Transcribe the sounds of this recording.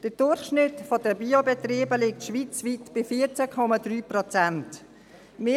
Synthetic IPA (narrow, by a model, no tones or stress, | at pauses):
d̥əd̥ʊɾχʃnɪtfɔdəbiːobɛtriːbəlik̚tʃʋit͡svitb̥ɪfiːɾt͡sakʰɔmadryːprɔt͡sant | mɪ